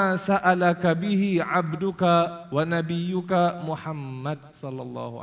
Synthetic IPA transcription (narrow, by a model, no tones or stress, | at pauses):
asaʔalakabiɦiʕabdʊkawanabijʊkamuħamːad̚sɔlːɑlˤːɑ̰ːɦua̰